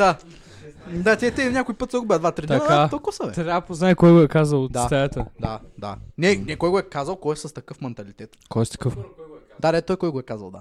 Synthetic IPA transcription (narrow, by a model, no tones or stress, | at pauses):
d̪a | d̪at̪ʲiɛt̪ʲɛnʲakʊjpɤt̪səɡʊbʲɛd̪vat̪ɾɛɐkat̪okosɐvɛt̪ɾʲapoznaɛkɔjɡʊɛkazɐlˠot̪d̪at̪ɛjət̪əd̪ad̪a̰nɛnɛkɔjɡoɛkazɐlˠkɔjɛsɐst̪ɐkɤfmɛnt̪ɐlit̪ɛt̪kʰɔjɛst̪ɐ̥kɤf | d̪ad̪ɛt̪ɔjkɔjɡʊɛkazɐ̰lˠd̪a̰